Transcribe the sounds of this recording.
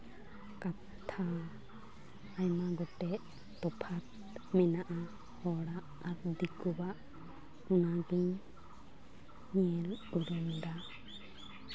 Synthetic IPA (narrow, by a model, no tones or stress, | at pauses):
kat | t̪ʰa | jmaɡɔt̪ɛʔ | t̪ɔpʰat̪ | mɛnaʔa | hɔɽaː | ɾd̪ikubaʔ | unaɡiɲ | ɲiɛluɾɔmd̪a